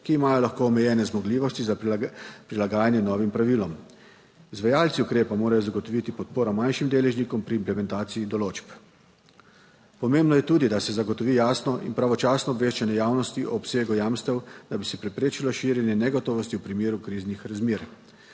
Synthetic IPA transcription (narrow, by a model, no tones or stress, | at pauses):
kiːmaːjɔlaxkoːmɛjɛːnɛzmɔɡliːʋɔst̪izapɾilaɡaːjanjɛnɔːʋimpɾaʋiːlɔm | izʋajaːlt̪siukɾeːpamoːɾajɔzaɡɔt̪ɔʋit̪ipɔt̪̚poːɾɔmanʃimd̪eːlɛʒnikɔmpɾiːmplɛmɛnt̪aːt̪siid̪ɔloːt͡ʃp | pɔmembnɔjɛt̪uːd̪id̪asɛzaɡɔt̪ɔʋiːjaːsnɔʔḭnpɾaʋɔt͡ʃaːsnɔːbʋeːʃt͡ʃɛnɛjaːwnɔst̪iʔɔpseːɡujaːmst̪ɛwd̪̥abisɛpɾɛpɾeːt͡ʃilɔʃiːɾjɛnjɛnɛɡɔt̪ɔːʋɔst̪iwpɾimeːɾukɾiːznixɾazmeːɾ